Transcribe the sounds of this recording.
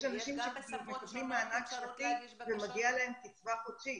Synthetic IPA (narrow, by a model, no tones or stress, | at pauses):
ʃanaʃimʃekmekad̪mimːaːnakʃfat̪ivemaɡialaemkit͡svaχoʃi